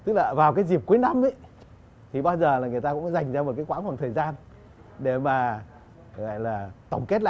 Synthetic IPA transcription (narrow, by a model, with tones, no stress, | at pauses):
t̪ɨ˦˥k̚laː˨˩vaː˨˩wkaː˨˦jzi˨˩əp̚ku˨˦jna˨˧mʔə˨˦j | t̪ʰi˨˩ɓaː˧wzəː˨˩laː˨˩ŋɨ˨˩əjt̪aː˧kʊ̰˧˥ŋ͡mza˨˩jŋ̟zaː˧mo˨˩kaː˨˦jkwaː˧˥nfwa˨˩t̪ʰəː˨˩jzaː˧n | ɗe˧˩maː˨˩ | a̰˧˨jlaː˨˩t̪ə̰˧˩wŋ͡mke˦˥t̚la̰ː˧˨